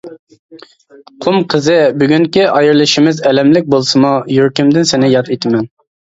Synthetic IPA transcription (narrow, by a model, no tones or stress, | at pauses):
qʰʊmqʰəzɨbyɡʲyŋkʲiʔɑjɨɾlˠɨʃɪmɪzɛlɛmlɪk̚ʲbolˠsɨmujyɾkʲymd̪ɪnsɪnɪjɑt̪et̪ʰɪmɛn